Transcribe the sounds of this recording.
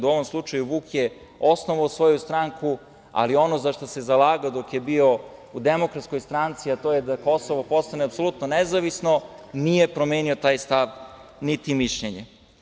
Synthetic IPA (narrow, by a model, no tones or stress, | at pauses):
uo̞ʋomslˠut͡ʃajuʋuːkje | osnoʋaosʋo̞just̪ɾaŋku | a̰lio̞nozaʃt̪osezalaːɡaod̪o̞kjebio̞ud̪emo̞kɾat̪skojst̪ɾant̪siat̪o̞ːjed̪ako̞soʋopo̞st̪aneapso̞lˠut̪nonezaʋisno̞nijepɾo̞meːnio̞t̪aːjst̪aʋ | nit̪imiʃʎeɲe